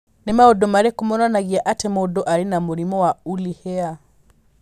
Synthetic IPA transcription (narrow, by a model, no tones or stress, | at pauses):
nɛmaɔdɔmaɾɛkumɔnanaɣiaʔatɛmɔdɔʔaɾinamuɾimɔwaulihɛa